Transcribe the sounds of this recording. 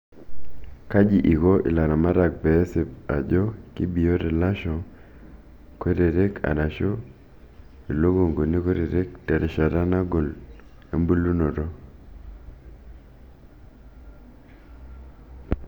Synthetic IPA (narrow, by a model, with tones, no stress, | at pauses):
ka˦d͡ʒi˨ʔi˨ko˦ʔḭ˨la˨ɾa˨ma˦ɾa˨k̚bɛ˨˦se˨pa̰˨d͡ʒɔ˦ki˦bi˨jo˦ɾɛ˨la˦ʃɔ˨ | kwe˦ɾe˨ɾe˦kʰa̰˨na˨ʃo˦ | e˨lo˦ɡo˨ŋɡo˨ni˦kwe˦ɾe˨ɾe˦k̚tɛ˨ɾɛ˨ʃa˨ɾa˦na˦ɡo˨l | e˦mbu˦lu˦no˨ɾo˦